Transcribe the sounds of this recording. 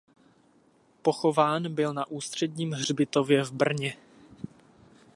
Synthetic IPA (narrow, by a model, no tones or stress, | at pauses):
po̞xo̞vaːnbɪlnaʔuːst̪r̝̥ɛdɲiːmɦr̝bɪt̪o̞vjɛvbr̩ɲɛ